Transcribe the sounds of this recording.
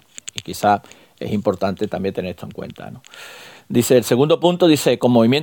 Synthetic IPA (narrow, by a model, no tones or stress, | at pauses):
ikiθa | e̞̰simpo̞ɾt̪ant̪et̪ambje̞nt̪e̞neɾet̪o̞ŋkwḛnt̪a̰nod̪iθe̞ːlseɣũnd̪opunt̪oðiθe̞komːoβimjen